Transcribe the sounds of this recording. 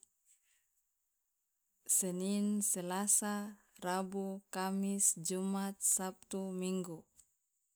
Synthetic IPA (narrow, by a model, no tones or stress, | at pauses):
sɛninselasa | rabukamisd͡ʒumat̪̚sap̚t̪umiŋɡu